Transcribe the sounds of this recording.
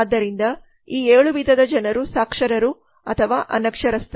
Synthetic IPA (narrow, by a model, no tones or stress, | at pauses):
d̪ːɐɾind̪ɐ | iːeːɭuʋid̪ʱɐd̪ɐd͡ʒɐnɐɾusaːkʂɐɾɐɾu | ɐt̪ʰɐʋaːʔɐ̰nɐkʂɐɾɐst̪